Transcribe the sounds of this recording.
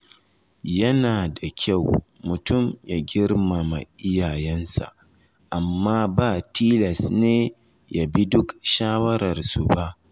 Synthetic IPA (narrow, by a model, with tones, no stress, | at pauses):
jɐ˦naː˨da˨kʲʰa˦˨wmʊ˨tʊ˦˨mja˦ɡʲɪ˦rma˨ma̰˨ʔɪ˦jaː˨jɛ˦nsa̰˨ʔ | ʔa˨mːaː˦baː˦˨tiː˦lɐ˨sneː˦ | ja˨bi˦dʊ˦kʃaː˦wɐ˦ɾɐ˨rsu˨ba˦ʔ